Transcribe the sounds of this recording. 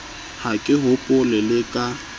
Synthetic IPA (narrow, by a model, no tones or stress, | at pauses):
hakʼɪɦʊpʼʊlɪlɪkʼa